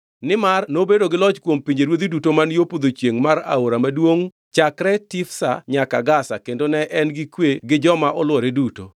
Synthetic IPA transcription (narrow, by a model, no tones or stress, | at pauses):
nɪmarnobedoɡɪlɔt͡ʃkwompiɲd͡ʒeɾwod̪idutomanjopod̪ot͡ʃjeŋmaɾa̰oɾamadwoŋ | t͡ʃakɾɛtɪfsa̰ɲakaɡasa̰kendonɛʔɛnɡɪkweɡɪd͡ʒɔmaʔɔlwɔɾeduto̰